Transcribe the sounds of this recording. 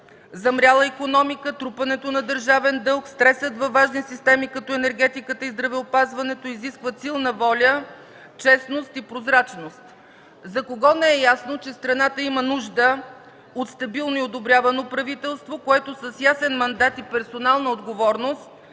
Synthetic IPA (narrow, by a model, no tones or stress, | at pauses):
zɐmɾʲalˠəikonɔmikət̪ɾupɐnɛt̪onɐd̪əɾʒavɛnd̪ɤlˠkst̪ɾɛsət̪vɐvaʒnisist̪ɛmikɐt̪ɔɛnɛɾɡɛt̪ikət̪əizd̪ɾɐvɛopazvɐnɛt̪oiziskvəsilˠnəvɔlʲə | t͡ʃɛsnost̪ipɾozɾat͡ʃnost̪ | zɐkoɡɔnɛɛjasnot͡ʃɛst̪ɾɐnat̪əimənuʒd̪ə | ot̪st̪ɐbilˠnoiod̪obɾʲjavɐnopɾɐvit̪ɛlˠst̪vokoɛt̪osəsjasɛnmɐnd̪at̪ipɛɾsonalˠnəod̪ɡovɔɾnost̪̚